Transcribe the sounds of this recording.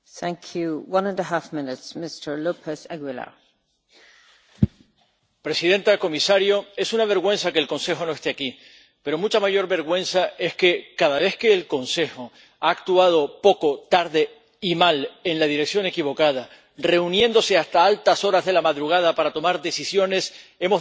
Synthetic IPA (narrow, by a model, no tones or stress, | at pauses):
θæ̃ŋkʰjuwʌ̃nə̃nəɦafmɪ̃nɪtsmɪstə˞lupʰəsɛɡwɪlə̰ | pɾe̞siðẽ̞nt̪ako̞misaɾjoe̞sunaβ̞e̞ɾɣwe̞nsake̞ːlkõ̞nse̞xo̞no̞e̞st̪eaki | pe̞ɾo̞mut͡ʃamaʝo̞ɾβe̞ɾɣwẽ̞nsaʔe̞ske̞kaðaβ̞e̞θke̞ːlko̞nse̞xo̞ | aːkt̪uað̞o̞po̞ko̞t̪aɾðe̞ | imale̞nlaðiɾe̞ksjo̞nŋe̞kiβo̞kað̞a | re̞unjẽ̞nd̪o̞seast̪aalt̪aso̞ɾazðe̞lamaðɾuɣ̞að̞apaɾat̪o̞maɾðe̞sisjo̞ne̞se̞mo̞